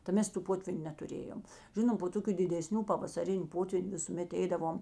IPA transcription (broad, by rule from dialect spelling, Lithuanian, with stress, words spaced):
tɐ ˈmʲɛs tuː ˈpoːtʲʋʲiːnʲʊ nʲɛtʊˈrʲeːjoːm ˈʒʲɪnoːm poː ˈtoːkʲʊ dʲɪdʲɛˈsʲnʲuː pɐʋɐsɐˈrʲɪnʲ ˈpoːtʲʋʲiːnʲ ʋʲɪsʊˈmʲɛt ˈɛɪdɐʋoːm